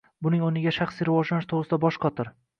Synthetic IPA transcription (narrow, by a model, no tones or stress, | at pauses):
bʊnɪŋonɪɡʲaʃaχsiɾɪvɒʒlanɪʃt̪ʰoʁɾɨsɪd̪abɒʃqʰɒt̪ʰɪɾ